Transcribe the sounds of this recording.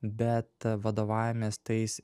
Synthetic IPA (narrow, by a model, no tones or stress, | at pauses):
bʲɛt̪ʋɐd̪oːʋɑːjʲɪmʲeːst̪ɐɪs